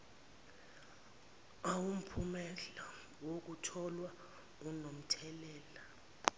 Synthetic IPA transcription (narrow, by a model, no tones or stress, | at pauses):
awum̩pʰumɛɬa | wok̬utʰɔlwa | unom̩tʰɛlɛːla